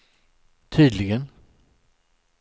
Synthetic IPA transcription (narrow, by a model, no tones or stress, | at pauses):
t̪ʰyːd̪lɪɡən